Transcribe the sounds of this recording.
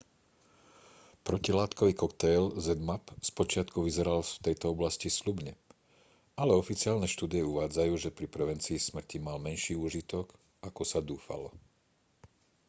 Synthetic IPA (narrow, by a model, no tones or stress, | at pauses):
pɾɔcilaːt̪kɔʋiːkɔkt̪ɛjlzɛd̪mapspɔt͡ʃɪat̪kuʋizɛɾalft̪ɛjt̪ɔɔblascislubɲɛ | alɛɔfit͡sɪaːlnɛʃt̪uːd̪ijɛuʋaːd͡zajuːʒɛpɾipɾɛʋɛnt͡siːsmr̩cimalmɛnʃiːuːʒit̪ɔk | akɔsad̪uːfa̰lɔ̰